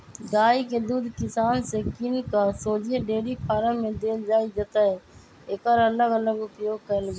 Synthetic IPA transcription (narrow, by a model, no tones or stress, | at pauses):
ɡaːiked̪uːd̪ʱkɪsaːnsekɪnkasoːd͡ʒʱeɖeːɽipʰaːɾəmẽd̪eːld͡ʒaːid͡ʒət̪aɦɛ | eːkəɾələɡələɡʊpjoːɡ̚kəlɡ